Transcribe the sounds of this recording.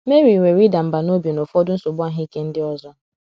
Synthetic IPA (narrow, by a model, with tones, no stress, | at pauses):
me˦ɾi˨ŋʷe˨ɾi˦da˨m̩˨ba˨no˦bje˨no˨fɔ˦dʊ˦n̩˦sʊ˨bʊ˦a˦ɦi˦i˦ke˦n̩˦dɪ˦ɔ˦zɔ˦